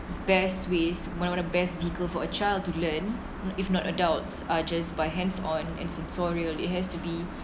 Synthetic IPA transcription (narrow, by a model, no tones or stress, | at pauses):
bɛsweswɔ̃nawɔ̃nəbɛstviəkəlfɔət͡ʃaɪld̚tulə̃n | ifnɔtə̰daltsad͡ʒasbaɪɦɛ̃nsɔ̃nɛ̰̃nsɛ̃nsɔɹiəlɪ̰t̚ɦɛstubi